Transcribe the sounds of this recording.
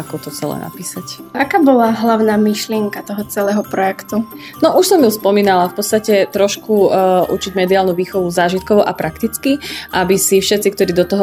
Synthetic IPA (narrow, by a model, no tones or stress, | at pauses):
akɔt̪ɔt͡sɛlɛ̰na̰piːsacakaːbɔlaɦlaʊnaːmiʃlɪɛŋkat̪ɔɦɔt͡sɛlɛːɦɔpɾɔjɛkt̪u | nɔʔuʃsɔmjuspɔmiːnalafpɔt̪t͡st̪acɛt̪ɾɔʃkuʔṵt͡ʃiɟmɛd̪iaːlnuʋiːxɔʋuzaːʒit̪̚kɔʋuʔa̰pɾakt̪it͡skiʔabisifʃɛt̪t͡sikt̪ɔɾiːd̪ɔt̪ɔɦɔ